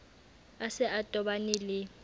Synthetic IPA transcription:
asɛʔatʼɔɓanɪlɪ

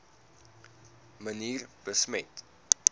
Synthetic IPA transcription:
məniːrb̥əsmɛt

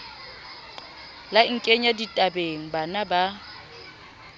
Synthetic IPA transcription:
laŋ̩kʼeɲaditʼabeŋ̩banaba

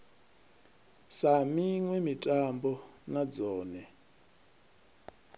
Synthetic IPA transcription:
samiŋwɛmitʼambɔnad͡zɔːnɛ

